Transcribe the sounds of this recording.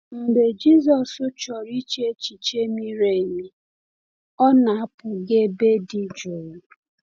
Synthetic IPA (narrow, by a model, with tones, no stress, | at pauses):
m̩˨ɡ͡be˨d͡ʒi˦zɔ˨sʊ˦t͡ʃɔ˨ɾi˦t͡ʃe˦t͡ʃi˨t͡ʃe˦mi˦ɾe˨mi˦ | ɔ˦na˨a˦pʊ˨ɡe˦be˦di˨d͡ʒʊ˨ɾʊ˨